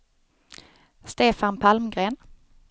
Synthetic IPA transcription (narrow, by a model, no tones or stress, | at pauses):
st̪eːfanpʰalmɡɾeːn